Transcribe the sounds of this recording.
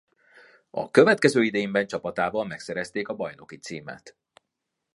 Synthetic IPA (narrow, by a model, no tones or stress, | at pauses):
ɒ̰kø̞vɛt̪kɛzøːid̪ɛjimbɛnt͡ʃɒpɒt̪aːvɒlmɛksɛɾɛst̪eːkɒbɒjno̞kit̪sḭːma̰ːt̪